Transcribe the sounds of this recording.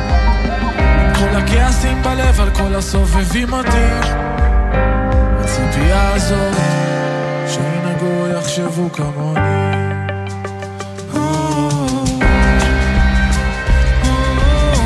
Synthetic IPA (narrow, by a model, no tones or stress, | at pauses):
ko̞lakeasimbalevalkolasovevimot̪em | asotijaːzo | ʃeenaɡojaχʃevukamoni | hu